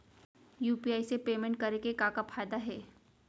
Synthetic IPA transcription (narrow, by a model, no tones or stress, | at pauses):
juːpiaːisepeːmɛ̃ɳʈ̚kɐɾekekakafʰaːɪd̪aɦɛː